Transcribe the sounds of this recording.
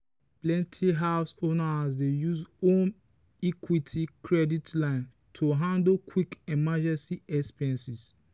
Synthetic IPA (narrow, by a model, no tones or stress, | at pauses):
plɛ̃ntʰiɦaʊsonasdejuzõn | ikʰwitʰikɹɛditlãɪ̃n | tʰuɦãndokʰwikɛmad͡ʒɛ̃nsiɛkspiɹɛ̃nsis